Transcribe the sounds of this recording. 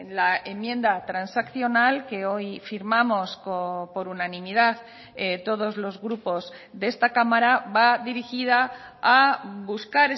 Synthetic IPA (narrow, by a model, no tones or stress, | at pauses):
lae̞mjẽ̞nd̪at̪ɾansakθjo̞nalke̞o̞jfiɾmamo̞skopo̞ɾunanĩmiðað | et̪o̞ð̞o̞zlo̞zɣɾupo̞z | ðe̞st̪akamaɾaβaðiɾixiðaː | buskaɾe